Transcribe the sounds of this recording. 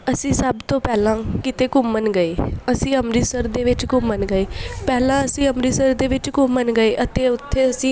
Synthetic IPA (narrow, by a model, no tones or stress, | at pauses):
əsĩːsəbt̪õːpɛːlãːkit̪eːkʊmːənɡəeːəsĩːəmɾiːsəɾd̪eːʋɪt͡ʃkʊmːənɡəeːpɛːlãːəsĩːəmɾiːsəɾd̪eːʋɪt͡ʃkʊmːənɡəeːʔət̪eːʊt̪ʰːeːəsĩː